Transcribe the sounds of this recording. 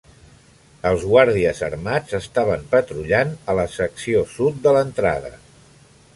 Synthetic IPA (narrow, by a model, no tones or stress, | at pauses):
əlˠzɣwaɾðiəzə̰ɾmad͡zəst̪aβəmpət̪ɾuʎanələsəksiosut̪̚d̪ələnt̪ɾa̰ðə̰